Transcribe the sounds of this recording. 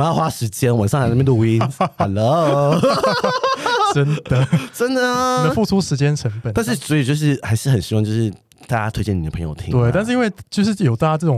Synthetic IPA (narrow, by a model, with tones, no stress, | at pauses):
mə˧˥jɑ˥˩ʊxwa˦˥ʂɻ̩˧˥t͡ɕjɛ˦˥nwa˨˩nsɑ˥˩ŋxna˥˧mɛ˥˧t̪o˥˧u˧i˦˥nha˨˩lo˦˥ | ʈ͡ʂə˦nd̪ə˨ʈ͡ʂə˦˥nd̪ə˨d̪ə˦fu˥˩ʈ͡ʂʰu˥ʂɻ̩˧˥t͡ɕjɛ˥nʈ͡ʂʰə˧˦ŋp̪ə˨˩na˥˧nʂɻ̩˥˩swɔ˧˥i˨˩t͡ɕjo˥˧ʊʂ̬ɻ̩˥˩xa˧˥ɪʂɻ̩˥˩xə˨˩nɕi˧˥wɑ˥˧ŋt͡ɕjo˥˧ʊʂɻ̩˥˩ | t̪a˥˩t͡ɕja˦˥t̪ʰwe˥ɪt͡ɕɛ˥˩ni˨˩d̪ə˩pʰə˧˦ŋjo̰˨ʊt̪ʰḭ˦t̪we˥˩ɪt̪a˥˧nʂɻ̩˥˧i˥nwe˥˧ɪt͡ɕjo˥˧ʊʂ̬ɻ̩˥˩jo˨˩ʊt̪a˥˩t͡ɕa˥ʈ͡ʂɤ˥˩ʈ͡ʂʊ˨˩ŋ